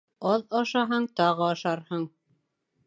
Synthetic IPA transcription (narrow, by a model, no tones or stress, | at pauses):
ɑðɑʃɑɦɑɴt̪ɑʁɤɑʃɑɾhɤɴ